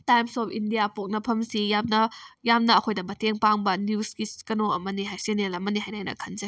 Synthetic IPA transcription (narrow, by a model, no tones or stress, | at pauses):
tajmsɔpʰindijapok̚nɐpʰɐmsijamnɐjamnɐːkʰojdɐbɐtʰeŋpaŋbɐnjuskiskɐnoɐmɐniɦajsenelɐmɐniɦajnajnɐ̰kʰɐnzɐ